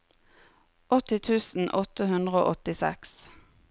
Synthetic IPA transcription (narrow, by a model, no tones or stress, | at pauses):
ʔɔt̪ɪt̪ʰʉːsn̩ʔɔt̪əhʉnd̪ʁəo̰ːʔɔt̪ɪsɛ̰ks